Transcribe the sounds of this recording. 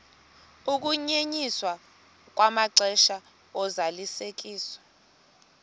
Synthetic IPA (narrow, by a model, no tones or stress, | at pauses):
uk̬uɲeɲiswa | k̬ʼwamaǀɛʃa | ɔzalisek̬ʼiːswḁ